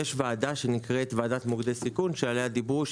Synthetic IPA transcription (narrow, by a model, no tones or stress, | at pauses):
eʃvaːdaʃe̞nikʁet̪vaːdat̪muɡd̪esikunʃealead̪ibuʃ